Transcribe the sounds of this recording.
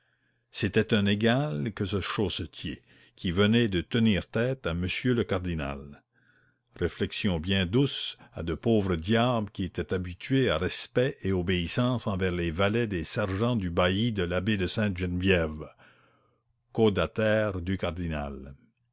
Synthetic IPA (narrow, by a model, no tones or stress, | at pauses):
set̪ɛt̪ɛ̃neɡalkəsəʃosət̪ʰjḛ | kʲʰivənɛd̪ət̪əniːʁt̪ɛːt̪aməsjøləkaʁd̪ina̰l | ʁeflɛksjɔ̃bjɛ̃d̪usa̰d̪əpoːvʁəd̪jablkʲiet̪ɛt̪abit̪ɥeaʁɛspɛʔeobeisɑ̃ːsɑ̃vɛʁlevalɛd̪esɛʁʒɑ̃d̪ybaid̪əlabed̪əsɛ̃t̪ʒɛnvjɛv | kod̪at̪ɛːʁd̪ykaʁd̪ina̰l